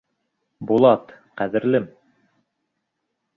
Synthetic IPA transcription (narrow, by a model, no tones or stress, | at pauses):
bulˠɑt̪qæðɘ̆ɾlɘm